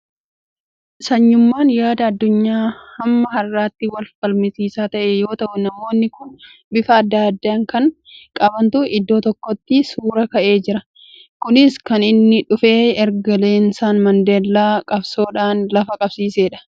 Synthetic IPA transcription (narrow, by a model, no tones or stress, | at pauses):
sɐɲːʊmːaːnjaːd̪ɐːd̪ːʊɲːaːhɐmːɐhɐrːaːt̪ːɪwɐlfɐlmɪsiːsaːt̪ɐʔejo̞ːt̪ɐʔʊnɐmo̞ːnːɪkʊn | bɪfɐːd̪ːaːd̪ːaːŋkɐŋ | kʼɐbɐnt̪ʊɪd̪ːo̞ːt̪ɔkːɔt̪ːɪsuːɾɐkɐʔe̞ːd͡ʒɪɾɐ | kʊnɪskɐnɪnːɪᶑʊfe̞ːɛɾɡɐle̞ːnsaːnmɐnd̪e̞ːlːaːkʼɐbso̞ːᶑaːnlɐfɐkʼɐbsiːseːᶑɐ̥